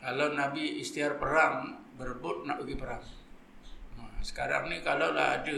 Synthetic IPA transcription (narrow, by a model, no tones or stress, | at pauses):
kalanabiːst̪iarpəɾaŋbərbʊt̪̚naʔəɡipəɾaŋ | əsə̥kaɾa̰ŋnikalawla̰ɦa̰d͡ʒu